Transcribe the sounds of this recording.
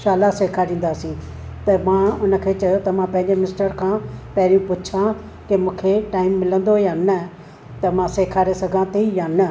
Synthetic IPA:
ʃaːlaseːkʰaːɾĩːn̆d̪aːsĩː | t̪ɐmãːʊnə̆kʰeːt͡ɕɐjot̪ɐmãpɐ̃ɦɪ̃ɲd͡ʑemɪnɪsʈəɾkʰãːpɐɦɾijũpʊt͡ɕʰã | kemũːkʰeʈaːɪmːɪlə̃nd̪ojãnɐ | t̪ɐmãseːkʰaːɾesɐɡʱãt̪ʰijanɐ

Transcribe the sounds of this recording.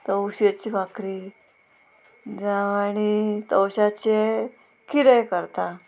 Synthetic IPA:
t̪əwɕet͡ɕiːbʱakɾi | d͡zaʋañit̪əwɕat͡ɕe | kʰiɾəjkəɾt̪a

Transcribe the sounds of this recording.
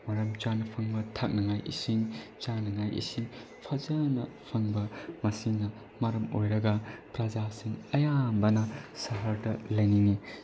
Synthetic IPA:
mɐɾɐmt͡ʃanɐpʰɐŋbɐtʰak̚nɐŋajʔḭsiŋt͡ʃanɐŋajʔḭsiŋ | pʰɐzɐnɐ | pʰɐŋbɐmɐsiŋnɐ | mɐɾɐmo̰jɾɐɡɐpɾɐd͡ʒasiŋɐjambɐnɐsɐɦɐɾdɐlɐjniŋi

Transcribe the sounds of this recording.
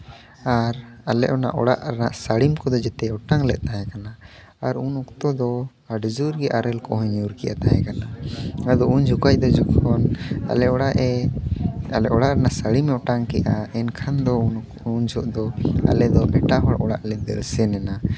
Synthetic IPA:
aɾalɛʔɔna̰ʔɔɽaʔɾnaʔsaɽimkɔd̪ɔd͡ʒɛt̪ɛɔʈaŋlɛʔ̪̚ˀt̪aɦɛ̃kanaː | ɾunɔkt̪ɔd̪ɔ | aɖd͡ʒuɾɡɛʔaɾɛlkɔɦɔɲuɾkɛʔa̰t̪aɦɛkanaad̪ɔund͡ʒʱukajd̪ɔd͡ʒukʰɔna̰lɛɔɽaʔɛ | alɛʔɔɽaʔɾɛnaʔsaɽimɛɔʈaŋkɛʔaɛnkʰand̪ɔ | und͡ʒɔʔd̪ɔa̰lɛd̪ɔʔɛʈaɦɔɽʔɔɽaʔlɛd̪ɛ̰lsɛnɛna

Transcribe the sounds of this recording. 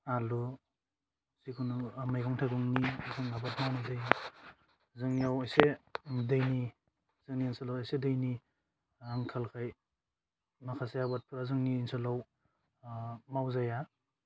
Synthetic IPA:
alu | sikʰunuamajkʰɔŋtʰajɡuŋnizɯŋabatmawnazaj | zɯŋnijawajsedɯjni | z̥ɯŋniinsalawajsedɯjni | aŋkʰalkʰaj | makʰaseabat̚pʰuɾazɯŋniːnsɯlaw | mawzaja

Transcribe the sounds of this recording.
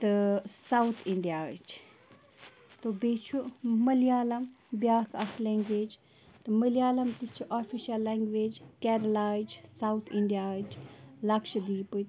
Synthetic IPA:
t̪ɨsawt̪ʰiɳɖijaːt͡ʃ | t̪obeːt͡ʃʰumɐlijaːlɐm | bjaːkʰɐkʰlɛ̃ːŋɡʋeːd͡ʒ | t̪ɨmɐlijaːlɐmt̪it͡ʃʰiʔaːfiʃɐlːeŋɡʋeːd͡ʒkɛɾɐlaːid͡ʒsawt̪ʰiɳɖijaːd͡ʒlɐkʃɐd̪iːpɨt̪

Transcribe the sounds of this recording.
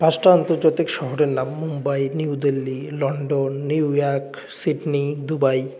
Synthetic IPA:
paʃʈaant̪oɾd͡ʑat̪ikʃɔɦoɾeɾnamːumbajniud̪elːilɔɳɖonːiujɔɾk | siɖnid̪ubaj

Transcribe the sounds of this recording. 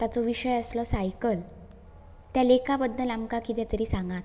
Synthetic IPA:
t̪at͡sɔʋiɕəjəslɔsajkəl | t̪jalekapəd̪ːəlamkakit̪jat̪əɾiːsãŋɡat̪

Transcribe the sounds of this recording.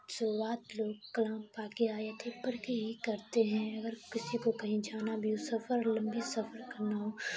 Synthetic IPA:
sʊɾuaːt̪loːɡ̚kɐlãːmpaːkeaːet̪ʰebɐɽkeɦikɐɾt̪eɦɛ̃ɐɡəɾkɪsikokɐɦĩd͡ʒaːnabʱiusɐfəɾlɐ̃mbisɐfəɾkɐɾnaɦoː

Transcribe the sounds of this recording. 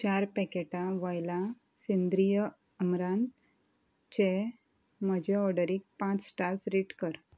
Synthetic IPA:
t͡ɕaɾpɛkeʈaʋəjlã | send̪ɾijə | əmɾãn | t͡ɕe | məd͡ʑeɔɽəɾiːk̚pãt͡ssʈaɾsɾiʈkəɾ

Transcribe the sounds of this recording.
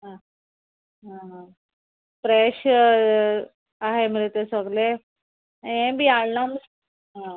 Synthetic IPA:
ɦã | ɦaɦã | pɾeɕ | aɦem̤əɾet̪esəɡle | ẽbʱiːaɭnams | ɦã

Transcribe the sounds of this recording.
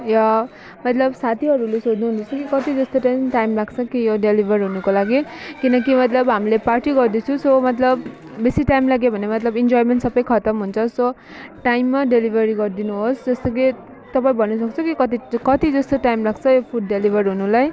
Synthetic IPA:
ja | mʌt̪lʌbsat̪ʰiɦʌɾulesod̪nuɦunut͡sʰʌkikʌt̪id͡zʌst̪otaʈajmlaɡt͡sʰʌkijoɖelibʱʌrɦunukolaɡikinʌkimʌt̪lʌbɦamileparʈiɡʌrd̪et͡sʰũsomʌt̪lʌb | besiʈajmlaɡjobʱʌnemʌt̪lʌbind͡zojmenʈsʌbʌjkʰʌt̪ʌmɦunt͡sʰʌso | ʈajmːaɖelibʱʌɾiɡʌrd̪inuɦosd͡zʌst̪ʌki | t̪ʌpaĩbʱʌnːus̬ʌkt͡sʰukikʌt̪ikʌt̪id͡zʌst̪oʈajimlaɡt͡sʰʌjopʰuɖːelibʱʌɾɦunulaj

